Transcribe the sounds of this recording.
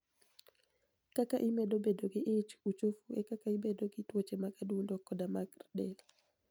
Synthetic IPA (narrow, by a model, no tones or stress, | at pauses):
kakaʔɪmedobedoɡɪʔet͡ʃut͡ʃofuɛkakaɪbedoɡɪtwot͡ʃemakadundɔkːɔdamaɡrdɛl